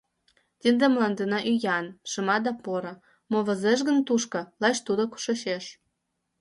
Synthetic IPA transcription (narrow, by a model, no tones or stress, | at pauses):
t̪ʲind̪emlɑnd̪enɑʔyjɑnʃə̆mɑd̪ɑpoɾɤ̆ | moβə̆zeʃ̬ɣə̆nt̪uʃkɤ̆lɑt͡ɕt̪ud̪oku̥ʃeʃeʃ